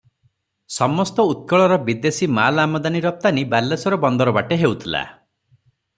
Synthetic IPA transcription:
sɔmɔst̪ɔut̪̚kɔɭɔɾɔbid̪esimalamɔd̪aniɾɔp̚t̪anibalːesɔɾɔbɔnd̪ɔɾɔbaʈeɦewt̪ʰila̰

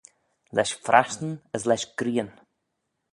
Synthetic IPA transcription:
lɛʃfɾʔa̰ʃtn̩əslɛʃɡ̥ɾiːən

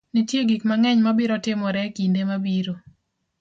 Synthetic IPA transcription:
nitjeɡikmaŋɛɲmabɪɾɔtɪmɔɾɛkindemabiɾo

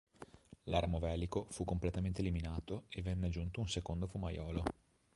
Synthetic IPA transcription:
laɾmovɛːlikofukːomplet̪ament̪eːliminaːt̪oevːɛnːed͡ʒunt̪ounsekond̪ofumajɔːlo

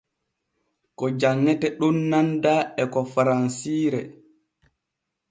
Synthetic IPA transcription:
kɔd͡ʒaŋːɛtɛɗunːandaɛkɔfaɾansiːɾɛ

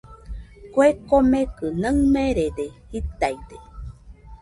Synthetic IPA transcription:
kwekomẽkɯnəmẽɾedehit̪ajd̪e

